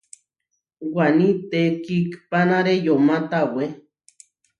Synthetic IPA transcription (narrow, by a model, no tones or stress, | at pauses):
wanit̪ekikpanaɾejomãt̪awe